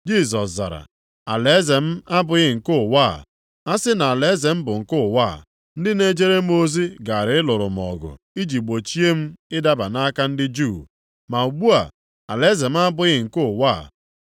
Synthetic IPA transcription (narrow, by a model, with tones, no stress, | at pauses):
d͡ʒi˦˨z̬ɔ˨sza̰˨ɾa̰˨ | a̰˨le˨˦ze˨m̩˦a˦bʊ˨ɣɪ˦˨ŋ̩˨kʊ˦˨wa˦˨ | a˦sɪ˦na˨a˨le˨˦ze˨m̩˦bʊ˨ŋ̩˨kʊ˦˨wa˦˨ | n̩˦dɪ˦ne˦d͡ʒe˦ɾe˦m̩˦o˦zi˦ɡa˨a˨ɾɪ˨ɪ˦lʊ˨ɾʊ̰˨m˨ɔ̰˨ɡʊ̰˨ | i˦d͡ʒi˨ɡ͡bo˨t͡ʃi˦e˦m̩˦ɪ˦da˦ba˨na˦ka˦n̩˦dɪ˦d͡ʒu˦˨ | ma˨u˨ɡ͡bu˦a̰˨ | a̰˨le˦ze˨m̩˦a˦bʊ˨ɣɪ˦˨ŋ̩˨kʊ˦˨waː˦˨